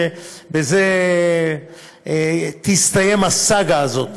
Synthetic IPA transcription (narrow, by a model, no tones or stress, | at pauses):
ebeze | t̪ist̪aje̞masaɡaːzo̞t̪